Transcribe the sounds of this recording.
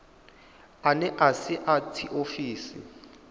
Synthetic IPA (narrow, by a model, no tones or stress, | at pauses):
anɛʔasiʔatʰiʔofiːsi